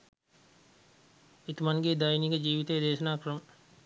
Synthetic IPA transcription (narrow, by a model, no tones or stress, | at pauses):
it̪umɐnɡed̪ajiniɡəd͡ʒiːʋit̪ejd̪eːʃɐnaːkɾɐmə